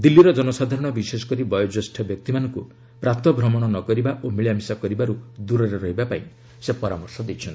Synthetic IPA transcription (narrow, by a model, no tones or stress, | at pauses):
d̪ilːiɾɔd͡ʒɔnɔsad̪ʱaɾɔɽ̃ɔbisesɔ̥kɔɾibɔjɔd͡ʒɔsʈʰɔbjɔk̚t̪imanɔŋku | pɾat̪ɔbʱɾɔmɔɽ̃ɔnɔkɔɾibaʔomiɭjamisakɔɾibaɾud̪uɾɔɾeɾɔɦibapaĩ | sepɔɾa̰mɔɾsɔd̪et͡ʃʰɔnt̪i̥